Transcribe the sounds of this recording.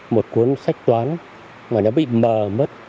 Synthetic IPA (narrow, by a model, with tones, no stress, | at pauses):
mo˨˩t̚ku˨˦ənsa˦˥jk̟̚t̪waː˨˦n | ŋaː˨˩nɔ˨˦ɓḭ˧˨məː˨˩mə˦˥t̚